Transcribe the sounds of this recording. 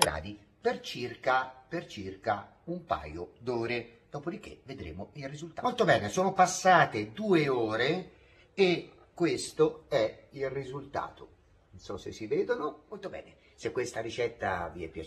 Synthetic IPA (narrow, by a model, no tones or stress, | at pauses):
ɡɾa̰ːd̪ipert͡ʃirkapert͡ʃirka | umpa̰ːjod̪ɔːɾed̪̥ɔːpod̪ik̟ːḛved̪ɾḛːmoilrizult̪amolt̪obɛːnesoːnopasːaːt̪ed̪uːeoːɾe | e | kːwest̪oɛilrizult̪a̰ːt̪o | nsɔsːesːiveːd̪onomolt̪obɛ̰ːne | sekːwest̪aɾit͡ʃɛt̪ːa̰viɛpːja